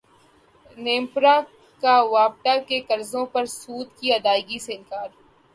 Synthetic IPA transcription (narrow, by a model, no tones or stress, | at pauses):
nẽːmpɾa | kaʋaːp̚ʈ̪akekɐɾzõpɐɾsuːd̪kiɐd̪aːɪɡiseɪnkaːɾ